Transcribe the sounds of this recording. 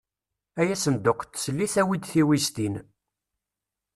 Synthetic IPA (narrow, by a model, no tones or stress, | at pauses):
æjæsənd̪ʊqːt̪ːsəlːiθæwid̪θiwist̪in